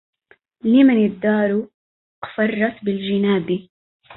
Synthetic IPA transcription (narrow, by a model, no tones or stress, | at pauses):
lɪmanɪd̪ːɑːɾu | qfɑrˤːɑsbɪld͡ʒɪnaːbi